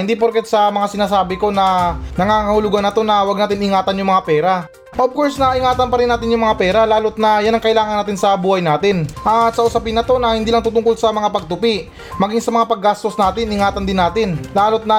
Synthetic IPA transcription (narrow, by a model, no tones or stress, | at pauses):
ɪnd̪ip̬oɾkɛt̪sɐmɐŋasɪnaːsaːbɪko̞nɐnɐŋaːŋɐhʊlʊɡanɐt̪o̞nɐwaɡ̚naːt̪ɪnʔɪŋaːt̪ɐnjʊŋmɐŋapɛːɾɐ | ʔob̚koɹsnɐʔɪŋaːt̪ɐnpɐɾɪnːaːt̪ɪnjʊŋmɐŋapɛːɾɐlaːlot̪̚nɐjanɐŋkɐʔɪlaːŋɐnaːt̪ɪnsɐbuːhɐjnaːt̪ɪnʔat̪sɐʔʊsɐpɪnɐt̪o̞nɐhɪnd̪iːlɐŋt̪ʊt̪ʊŋkolsɐmɐŋapɐɡ̚t̪ʊpiʔ | mɐɡiŋsɐmɐŋapɐɡːast̪osnaːt̪ɪnʔɪŋaːt̪ɐnd̪ɪnːaːt̪ɪnlaːlot̪̚nɐ